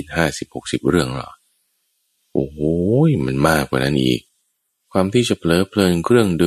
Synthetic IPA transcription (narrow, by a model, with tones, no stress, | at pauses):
t̪̚haː˥˩si˨˩p̚ho˨˩k̚si˨˩p̚ɾɯ˥˩əŋlɔ̰˧˦˩ | ʔoː˨˩˦jma˦˧˥nmaː˥˩kwaː˨˩na˦˥nʔḭː˨˩k̚ | kʰwaː˧mt̪ʰiː˥˩t͡ɕa˨˩pʰlɤː˨˦pʰlɤː˧nkʰɾɯ˥˩əŋdɯ˧